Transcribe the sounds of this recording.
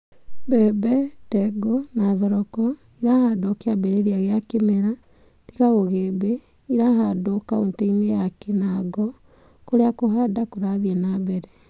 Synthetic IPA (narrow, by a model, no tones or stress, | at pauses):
bɛbɛd̥ɛɡonaðɔɾɔkɔ | iɾahadokeabɛɾeɾiaɣeakemeɾa | ti̥kaɣoɣebe | iɾaɦadokaonteimejakɛnaɡɔ | koɾeakoɦadakoɾaðiɛnabɛɾɛ